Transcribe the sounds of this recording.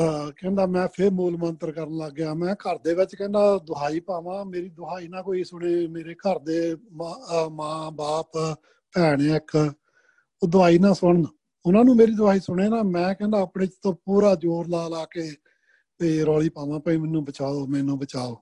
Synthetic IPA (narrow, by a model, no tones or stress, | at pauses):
kɛ̃ːnd̪aːmɛ̃ːpʰeɾmoːlmənt̪əɾkəɾənləɡːejaːmɛ̃ːkəɾd̪eːʋɪt͡ʃkɛ̃ːnd̪aːd̪ʊaːiːpaːʋãːmeːɾiːd̪ʊaːiːnaːkoːiːsʊɽ̃eːmeːɾeːkəɾd̪eːmmãːbaːp | pɛːɽ̃eːɪk | oːd̪ʊaːiːnãːsʊɳn | ʊnãːnũːmeːɾiːd̪ʊaːiːsʊɽ̃eːnaːmɛ̃ːkɛ̃ːnd̪aːəpneːt͡ʃt̪õːpuːɾaːd͡ʒoːɾlaːlaːkeː | eɾɔːliːpaːʋãːpəĩːmɛnːũːbət͡ʃaːoːmɛ̃nõːbət͡ʃaːoː